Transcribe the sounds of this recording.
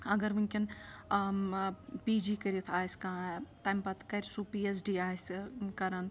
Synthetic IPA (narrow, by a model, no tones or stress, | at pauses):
ɐɡɐɾmuŋkʲin | piːd͡ʒiːkɐɾit̪ʰaːjskãːt̪ɐjmpɐt̪ʰkɐɾʲsuːpiːes̬ɖiːaːjskɐɾɐn